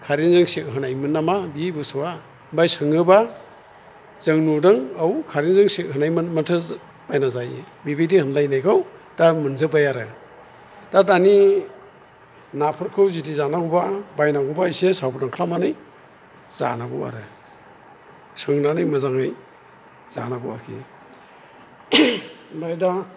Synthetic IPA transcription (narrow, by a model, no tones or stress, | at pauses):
kʰaɾinzɯŋsek̚ɦɯnajmɯnːamabibɯsɯwa | bajsɯŋɯba | z̥ɯŋnudɯŋawkʰaɾinzɯŋsek̚ɦɯnajmantʰɯ | b̥ajnazaj | bibidihɯnlajnajkʰaw | d̥amɯnzɯbajaɾɯ | d̥adani | napʰɯɾkʰɯwzidizanaɡubabajnaɡubajsesawpɾdaŋkʰlamanɯj | z̥a̰naɡṵwa̰ɾɯ | sɯŋnanɯjmɯzaŋaj | z̥a̰naɡua̰kʰḭ | bajda